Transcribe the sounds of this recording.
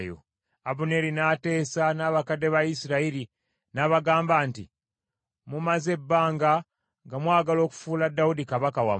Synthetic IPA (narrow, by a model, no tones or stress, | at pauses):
jo̰ | aβune̞ɾinaːte̞ːsanaːβakade̞βajisiɾaiɾi | naβaɡaːmbaːnti | mumaze̞bːaːŋɡa | ŋɡamwaːɡalo̞ːku̥fuːladːawudikaβakawa̰m